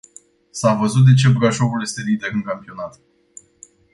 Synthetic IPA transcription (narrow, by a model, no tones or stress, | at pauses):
savəzut̪̚d̪e̞t͡ʃe̞bɾaʃo̞vulje̞st̪e̞lid̪e̞ɾɨŋkampio̞nat̪